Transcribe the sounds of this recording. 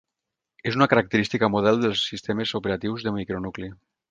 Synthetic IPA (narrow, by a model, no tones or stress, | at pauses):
ezunakəɾak̚t̪əɾist̪ikamuð̞ɛlˠd̪əlˠsːist̪emezupeɾat̪iwzðəmikɾonukli